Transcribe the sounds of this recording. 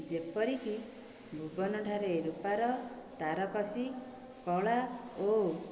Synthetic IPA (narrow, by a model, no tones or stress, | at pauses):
d͡ʒepɔɾiki | bʱubɔnɔɖʱaɾeɾupaɾɔt̪aɾɔkɔsi | kɔɭao